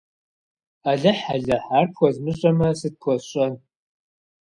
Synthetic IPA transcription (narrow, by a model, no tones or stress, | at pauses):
aɮɐħaɮɐħarkʰʷɔzmɨɕʼɐmɐsɨt̚kʷʰɔɕʼɐn